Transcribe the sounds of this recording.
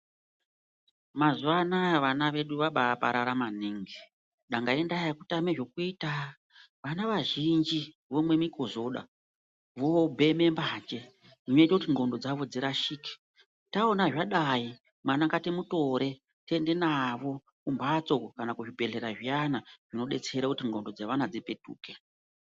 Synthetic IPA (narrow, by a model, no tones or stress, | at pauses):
mazuʋanaʋanaʋe̞ɗuʋaɓapa̰ɾaɾamaniŋɡi | ɗaŋɡaendajakutameʐo̞kuiːta | ʋanaʋaʒind͡ʒi | ʋo̞mwe̞miko̞zo̞ɗa̰ | ʋo̞bʱe̞me̞mbaːd͡ʒe̞ | ʐino̞itakutiŋɡo̞ndo̞d͡zaʋo̞d͡ziɾaʃiki̥ | taonaʐaɗai | mwanaŋkatimuto̞ɾe̞ | te̞nde̞naʋo̞ | kumbat͡so̞kokanakuʐibʱe̞ɮe̞ɾaʐianaʐ̥ino̞ɗe̞t͡seɾakutiŋɡo̞ndo̞d͡zaʋanad͡zipe̞tṵːke̞